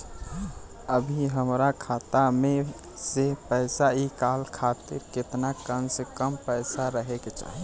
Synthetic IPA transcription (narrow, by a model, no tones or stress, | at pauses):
əbʱiɦəmɾakʰat̪ame | sepəɪsaikalkʰat̪iɾket̪nakənsekəmpəɪsaɾəɦeket͡ʃa̰ɦ